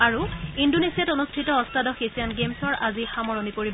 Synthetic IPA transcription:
aɹuindonesijatonustʰitɔɔstadɔxesijanɡemsɔɹʔazixamɔɹɔnikoɹib

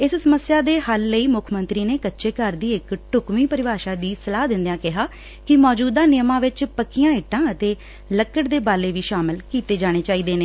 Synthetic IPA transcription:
ɪssəməsjaːd̪eːhəlːəiːmʊkʰmənt̪ɾiːneːkətːʃeːkəɾd̪iːɪkʈʊkmiːpəɾɪʋaːʃaːd̪iːsəlaːd̪ɪ̃nd̪jãːkɪɦaː | kɪmɔːd͡ʒuːd̪aːnɪjəmãːʋɪt͡ʃpəkːijãːɪʈːãːət̪eː | ləkːəʈd̪eːbaːleːʋiːʃaːmɪlkiːt̪eːd͡ʒaːɽ̃eːt͡ʃaːiːd̪eːneː

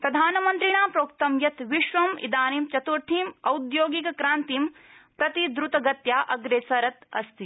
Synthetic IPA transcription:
pɾɐd̪ʱaːnɐmɐnt̪ɾiɳaːpɾoːk̚t̪ɐmjɐt̪ʋiʃʋɐmḭd̪aːnimt͡ʃɐt̪uɾt̪ʰiːmɐwd̪joːɡikɐkɾaːnt̪iːm | pɾɐt̪id̪ɾut̪ɐɡɐt̪jaːʔɐɡɾeːsɐɾɐt̪ɐ̰st̪ʰi

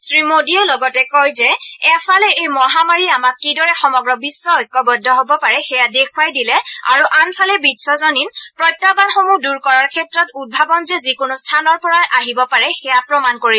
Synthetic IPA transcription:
sɹimodiɔlɔɡɔtɛkɔjzɛɛpʰalɛejmɔɦamaɹiamakːidɔɹɛxɔmɔɡɹɔbisːɔɔjkːɔbɔdʱːɔɦobɔpaɹɛxɛjadekʰwajdilɛa̰ɹuʔanpʰalɛbitsɔzɔninpɹɔjtːabanxomuduɹkɔɹaɹkʰɛtɹɔtut̚bʱabɔnzɛzikʊnustʰanɔɹpɔɹajʔaɦibɔpaɹɛxɛjapɹɔmankoɹil

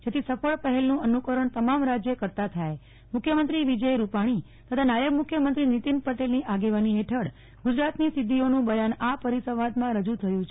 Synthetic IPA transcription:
d͡ʒet̪ʰisəfəɭpəɦɛlnũənukəɾəɳt̪əmamɾad͡ʒjəkəɾt̪at̪ʰaj | mʊkʰjəmənt̪ɾiʋid͡ʒəjɾupaɽ̃i | t̪ət̪ʰanajəɡmukʰjəmənt̪ɾinit̪inpəʈelniʔaɡeʋaniɦeʈʰəɽ | ɡud͡ʒɾat̪nisɪd̪ʱːionũbəjanapəɾisəʋad̪mãɾəd͡ʒũt̪ʰəjũt͡ʃʰe

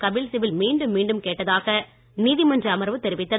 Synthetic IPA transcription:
kɐbɪlsɪʋɪlmiːɳɖɯmːiːɳɖɯmkeːʈːɐðaːɣɐ | niːðimɐndriɐmɐɾɐʋɯt̪ːɛɾɪʋɪt̪ːɐ

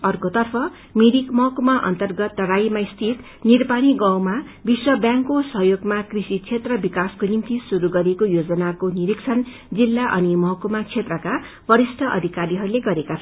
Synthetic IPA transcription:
ʌrkot̪ʌrpʰʌ | miɾikmʌɦʌkumaʔʌ̰nt̪ʌrɡʌt̪ːʌɽajmaist̪ʰit̪ | nirpaniɡʌw̃ma | biswʌbjãŋkːosʌɦjoɡmakrisit͡sʰet̪rʌbikaskonimt̪isuɾuɡʌɾekojod͡zʌnakoniɾikt͡sʰʌn | d͡zilːaʔʌnimʌɦʌkumat͡sʰet̪rʌka | bʌɾisʈʰʌʔʌ̰d̪ʱikaɾiɦʌɾuleɡʌɾekat͡sʰʌ

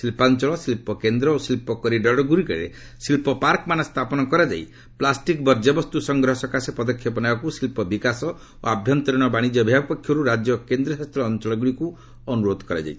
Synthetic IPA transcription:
silpant͡ʃɔɭɔsilpɔkend̪ɾɔosilpɔkɔɾiɖɔɽɔɡuɾikaiɾḛ | silpɔpaɾkɔmanɔst̪ʰapɔnɔkɔɾad͡ʒa̰j̰ | plasʈikbɔɾd͡ʒabɔst̪usɔŋɡɾɔɦɔsɔkasepɔd̪ɔkʰjɔpɔnabakusilpɔbikasɔ | o̰abʱjɔnt̪ɔɾɔɽ̃ɔbaɽ̃id͡ʒɔbʱiabpɔkʰːjɔɾuɾad͡ʒjɔkend̪ɾɔsast̪ɾɔːnt͡ʃɔɭɔɡuɽiku | ɔnuɾod̪ʱkɔɾa̰d͡ʒa̰jʰ

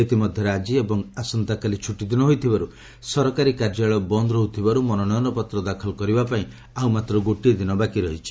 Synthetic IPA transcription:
et̪imɔd̪ʱjɔɾad͡ʒiebɔŋasɔnt̪akalit͡ʃʰuʈid̪inɔɦojt̪ʰibaɾu | sɔɾɔkaɾikaɾd͡ʒaɭɔbɔnd̪ɾɔɦut̪ʰibaɾumɔnɔɽɔjɔnɔpɔt̪ɾɔd̪akʰɔlɔkɔɾibapaĩ | awmat̪ɾɔɡoʈid̪inɔbakiɾɔɦit͡ʃʰi̥

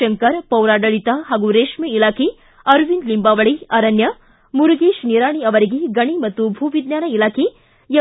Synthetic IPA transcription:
ɐŋkɐɾpɐwɾaːɖɐɭit̪aɦaːɡuɾeːʂmiilaːkʰi | ɐɾʋinlimbaːʋɐɭiɐɾɐnjɐ | muɾuɡeːʃniɾaːɳ̃iɐʋɐɾiɡeɡɐɽ̃imɐt̪ːubʱuːʋid̪jaːnɐilaːkʰi | jɐ

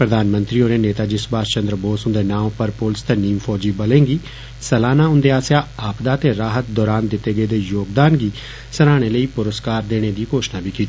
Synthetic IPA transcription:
pɾəd̪ʱaːnmə̃nt̪ɾiːoːɾeːneːt̪aːd͡ʒɪsbaːst͡ʃənd̪ɾəboːsʊ̃nd̪eːnãːpəɾpoːlst̪eniːmpʰɔːd͡ʒiːbəlẽːŋɡiː | səlaːnaːʊ̃nd̪eːaːsaːaːpd̪aːt̪eːɾaːɦət̪̚d̪ɔːɾaːnd̪ɪt̪ːeːɡəeːd̪eːjoːɡd̪aːnɡiː | səɾaːɽ̃eːləiːpʊɾəskaːɾd̪eːɽ̃eːd̪iːkoːʃnaːbʱiːkiːt̪ː

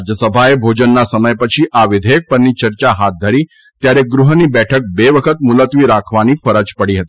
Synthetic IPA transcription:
d͡ʒjəsəbʱaebʱod͡ʒənːasəməjpət͡ʃʰiʔaʋɪd̪ʱəjək̚pəɾnit͡ʃəɾt͡ʃaɦat̪̚d̪ʱəɾi | t̪jaɾeɡɾuɦənibɛʈʰək̚beʋəkʰət̪̚mulət̪ʋiɾakʰʋanifəɾət͡ʃpəɽiɦət̪i̥

